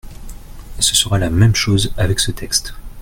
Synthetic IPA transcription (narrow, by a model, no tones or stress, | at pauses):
səsəʁalamɛmʃozavɛksət̪ʰɛkst̪